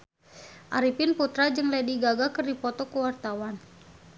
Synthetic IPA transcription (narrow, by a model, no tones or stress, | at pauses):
ʔaɾipɪnput̪ɾad͡ʒɨŋlɛdiɡaɡakərdipɔt̪ɔkəwart̪awan